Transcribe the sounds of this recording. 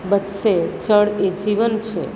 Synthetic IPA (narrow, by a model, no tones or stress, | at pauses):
bət̪set͡ʃəɭed͡ʒiʋənt͡ʃʰe